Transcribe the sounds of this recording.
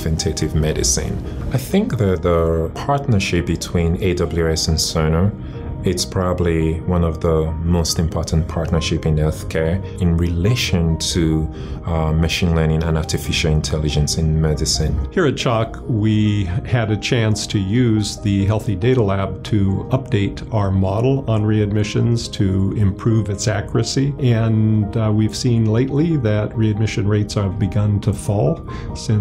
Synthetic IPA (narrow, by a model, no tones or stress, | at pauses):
vɨ̃ntʰeɪɾɪvmɛɾɨ̰sɪ̰̃n | aɪθɪ̃ŋk̚ðɨt̪̚ðəpʰɑɹtⁿnə˞ʃɪp̚b̥ɨtʰw̥ĩneɪdʌbl̩ˠjʉɛsɨ̃nsoʊnoʊ | ɪspʰɹ̥ɑbəbliwʌ̃nʌvðəmoʊstɨ̃mpʰɔɹʔn̩pʰɑɹtnə˞ʃɪpɨ̃nhɛlˠθkʰɛɹ | ɪ̃nɹileɪʃɨ̃ntʰɨ | mɨʃĩnlɜ˞nɪ̃ŋə̃naɹtɨfɪʃl̩ˠɪ̃ntʰɛlˠɨd͡ʒɨ̃nsɪ̃nmɛɾɨsɨ̃nhiɹɨt̚t͡ʃʰɑkwiɨɾɨt͡ʃʰæ̃nstʰɨjʉzðɨɦɛlˠθideɪɾəlæb̚tʰɨʌp̚d̥eɪɾ | aʊə˞mɑɾl̩ˠə̃nɹiɨd̚mɪʃɨ̰̃nz̥tʰɨɪ̃mpʰɹ̥ʉvɨtsækʰjəɹɨsiɨ̃nwiv̥sĩnleɪʔˡliðɨt̚ɹiɨd̚mɪʃɨ̃nɹeɪtsə˞vbɨɡʌ̃ntʰəfɔlˠ | sɪ̃